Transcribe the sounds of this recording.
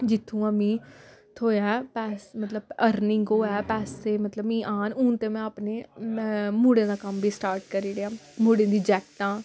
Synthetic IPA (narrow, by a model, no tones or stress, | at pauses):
d͡ʒɪt̪ʰːũːəmĩːt̪ʰoːjɛːpɛːsmət̪ləbəɾnɪŋɡoːɛːpɛːseːmət̪ləbmĩːʔaːnuːnt̪eːmɛ̃ːəpneː | muːɽẽːd̪aːkəmbiːsʈaːɾʈkəɾiːɾeãːmuːɽẽːd̪iːd͡ʒɛːkʈ̪ãː